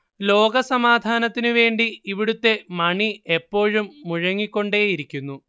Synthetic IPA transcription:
lo̞ːɡɐsɐmaːd̪ʱaːnɐt̪ːinɨʋe̞ːɳɖiiʋiɽut̪ːe̞mɐɳie̞pːo̞ːɻumːuɻɐŋːikʲːo̞ɳɖeːjiɾikʲːunːu

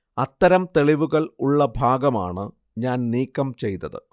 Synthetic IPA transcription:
ɐt̪ːɐɾɐmt̪e̞ɭiʋuɣɐɭuɭːɐbʱaːɡɐma̰ːɳɨ | ɲaːnniːkːɐmt͡ɕe̞jt̪ːɐðɨ̰

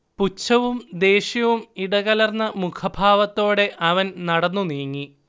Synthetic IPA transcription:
put͡ɕːɐʋumd̪e̞ːɕjɐʋumiɽɐɣɐlɐrnːɐmukʰɐbʱaːʋɐt̪ːo̞ːɽe̞ʔɐʋɐnnɐɽɐnːuniːŋːi

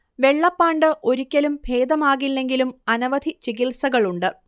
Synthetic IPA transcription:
ʋe̞ɭːɐpːaːɳɖɨʔo̞ɾukʲːɐlumbʱe̞ːd̪ɐmaːɣilːe̞ŋɡilumɐnɐʋɐd̪ʱit͡ɕiɣilsɐɣɐɭuɳɖɨ

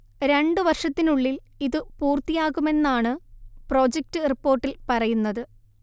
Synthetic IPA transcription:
ɾe̞ɳɖɨʋɐrʂɐt̪ːinuɭːil | iðɨpuːrt̪ijaːɣume̞nːaːɳɨpro̞ːd͡ʑek̚tɨripːo̞ːrʈːilpɐrɐjunːɐðɨ

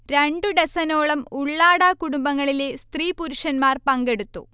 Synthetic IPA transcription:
ɾeɳɖɨɖesɐno̞ːɭɐmuɭːaːɽaːkuɽumbɐŋːɐɭilest̪riːpuɾuʂɐnmaːrpɐŋɡe̞ɽut̪ːṵ

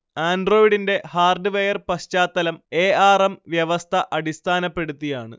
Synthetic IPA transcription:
aːndro̞ːjiɽinde̞haːrɖɨʋeːjɐrpɐɕt͡ɕaːt̪ːɐlɐmeːaːrɐmʋjɐʋɐst̪ʰɐʔɐɽist̪ʰaːnɐpːe̞ɽut̪ːijaːɳɨ̰

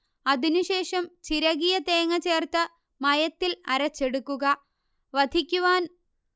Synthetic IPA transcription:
ɐðinuɕe̞ːʂɐmt͡ɕiɾɐɣijɐt̪e̞ːŋɐt͡ɕe̞ːrt̪ɐ | mɐjɐt̪ːilɐɾɐt͡ɕːe̞ɽukːuɣɐ | ʋɐd̪ʱikʲːuʋaːn

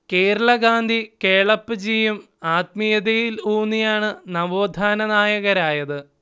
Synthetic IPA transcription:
ke̞ːɾɐɭɐɡaːnd̪ʱikeːɭɐpːɨd͡ʑiːjum | aːt̪mijɐðejiluːnːijaːɳɨnɐʋoːd̪ʱaːnɐnaːjɐɣɐɾaːjɐðɨ

